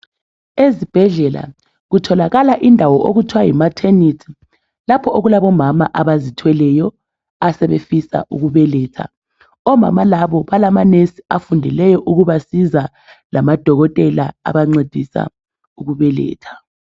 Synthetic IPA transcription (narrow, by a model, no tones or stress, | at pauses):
ezib̥ʱɛɮɛla̰ | ɣutʰɔlaɣalaʔindʱawɔʔoɣutʰwajimatʰenitʰi̥ | lapʰɔʔoɣulaβɔmamaʔaβazitʰwɛlɛjɔ | asɛβḛfisa̰ʔuɣuβɛlɛːtʰa̰ | ɔma̰malaβɔβalamanesi̥afundʱɛlɛjɔʔuɣuβasiza | lamad̥ʱɔɣɔtʼɛla̰a̰βaŋ͡ǀed̥ʱisa̰ | uɣuβɛlɛ̰ːtʰḁ